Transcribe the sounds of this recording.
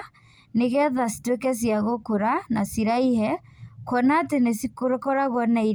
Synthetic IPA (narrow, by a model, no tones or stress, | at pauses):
neɣɛðasi̥twekɛs̬iaɣokoɾanasiɾaihɛkwɔnatenesikoɾkɔɾaɣɔnai